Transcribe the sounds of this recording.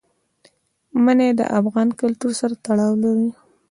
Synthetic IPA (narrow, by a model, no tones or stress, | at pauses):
maned̪ə̰ʔafɣɑnkʊlt̪uɾsaɾat̪aɽɑwlaɾi